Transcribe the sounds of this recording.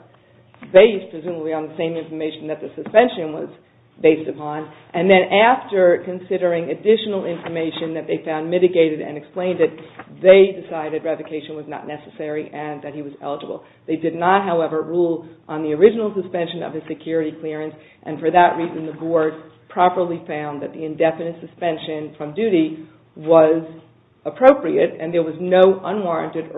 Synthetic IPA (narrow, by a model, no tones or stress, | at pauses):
beɪspʰɹ̥ɨzʉməbliə̃nðɨsẽɪ̃mɪ̃ɱfə˞meɪʃn̩ðɨt̪̚ðɨsɨspɛ̃nʃɨ̃nwʌ̰z | beɪstɨpʰɑ̃nʔɨ̃nðɨ̃nʔæftə˞kɨ̃nsɪɾə˞ɪ̃ŋɨdɪʃn̩l̩ˠɪ̃ɱfə˞meɪʃɨ̃nðɨt̪̚ðeɪfãʊ̃nmɪɾɨɡeɪɾɨɾɨ̰̃nɨksplẽɪ̃ndɨt̪̚ðeɪdɨsaɪɾɨd̚ɹɛvɨkʰeɪʃɨ̃nwʌznə̰tⁿnɛsɨsɛɹiʔɨ̃nðɨt̚hiwʌzɛ̰lˠəd͡ʒəbl̩ˠ | ðeɪdɨdⁿnət̚ɦaʊɛvə˞ɹulˠʔə̃nðiə˞ɪd͡ʒɨnl̩ˠsɨspɛ̃nʃɨ̃nʌ̰v̥ɨz̥sɨkʰj̥ʊɹɨɾikʰl̥ɪɹɨ̃ns | ʔɨ̰̃nfə˞ðəʔ̚ɹizɨ̃nðəbɔɹd̥̚pʰɹ̥ɑpə˞lˠifãʊ̃nðɨt̪̚ðiɨ̃ndɛfɨnɨ̃ntsɨspɛ̃nʃɨ̃nfɹʌ̃mdʉɾi | wʌz | əpʰɹ̥oʊpɹiɨɾɨ̃nðə˞wʌznoʊʔʌ̃nwɑɹɨ̰̃ntɨɾ